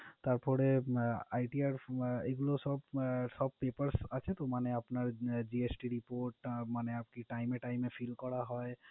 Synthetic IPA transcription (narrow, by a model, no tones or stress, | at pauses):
t̪əɾpʰoɾeajʈiaɾeɡlosɔbsɔb̚ʱpepəɾsat͡ʃʰet̪omaneəpnaɾd͡ʒiesʈiɾipoɾʈmaneapkiʈaimːeʈaɪimːepʰilkɔɽaɦɔe